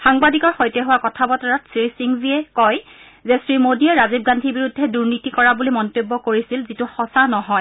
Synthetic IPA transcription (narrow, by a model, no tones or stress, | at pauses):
xaŋbadikɔɹxɔjtɛɦʊwakɔtʰabɔtɔɹɔtsɹisiŋviɛkɔj | zɛsɹimodiɛɹazib̚ɡandʱibiɹudʱːɛduɹnitikɔɹabulimɔntobːɔkoɹisilzituxɔsanɔɦɔj